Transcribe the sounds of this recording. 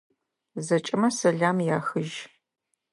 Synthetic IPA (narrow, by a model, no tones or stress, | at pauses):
zɐt͡ʃʼɪmɐsɐɮaːmjaːxɨʒ